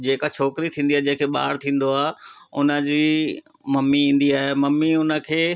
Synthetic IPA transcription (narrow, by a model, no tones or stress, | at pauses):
d͡ʑeːkat͡ɕʰoːkɾit̪ʰĩːnd̪ijaːd͡ʑɐ̃ɦɪ̃kʰeːɓa̰ːɽt̪ʰĩːn̆d̪oaːʊ̰nə̆d͡ʑiː | mɐmːiĩːn̆d̪iaːɦemɐmːiʊnə̆kʰeː